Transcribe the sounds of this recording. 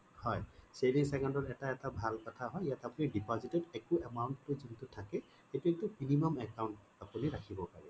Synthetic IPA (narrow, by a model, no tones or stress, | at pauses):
hɔjseliŋsɛkɔndɔɹɛtaɛtabʱalkɔtʰaɦɔjjatapunidipɔzitɛdɛkuɛmawntlozuntʊtʰːakɛ | xejtuetʊminimɔmɛkawnt | apuniɹakʰibɔpaɹɛ